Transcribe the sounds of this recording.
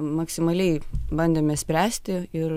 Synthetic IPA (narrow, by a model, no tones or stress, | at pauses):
mɐksʲɪmɐlʲɛɪbɐnʲd̪ʲeːmʲɛsʲpʲɾʲæːsʲt̪ʲɪɪr